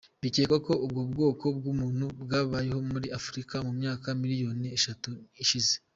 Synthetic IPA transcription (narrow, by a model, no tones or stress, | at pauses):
βiceːkako̞ub̚ɡob̚ɡo̞ːko̞b̚ɡumuːn̥hubɡaːβaːjeɦo̞muɾiʔafuɾikamumɲaːkamiɾijo̞ːnieʃatuiʃize